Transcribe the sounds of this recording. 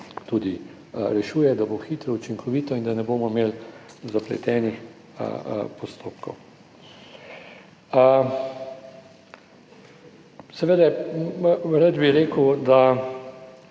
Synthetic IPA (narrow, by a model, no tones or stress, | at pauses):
t̪uːd̪i | ɾɛʃuːjɛd̪aboxit̪ɾɔut͡ʃiŋkʰɔʋiːt̪ɔind̪anɛboːmɔmeːlzaplɛ̰t̪ɛːnix | pɔst̪oːpkɔ̰w | sɛʋeːd̪ɛ | ɾad̪biɾeːkəwd̪a